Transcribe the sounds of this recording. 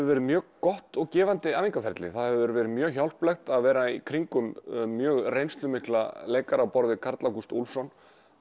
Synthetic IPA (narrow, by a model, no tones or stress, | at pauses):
ʏvɛːɾɪmjœːɣkɔht̪ɔɣcɛːvant̪ɪaːviŋkafɛɾt̪lɪ̰θaðhɛvvɛɾɪvɛːɾɪmjœːɣçawl̥plɛxt̪aðvɛːɾaikʰɾiŋkʏmːjœːɣrejnst̪lʏmɪhkla̰leːjkaɾawpɔɾðɪkʰaɾt̪lakust̪ulsɔn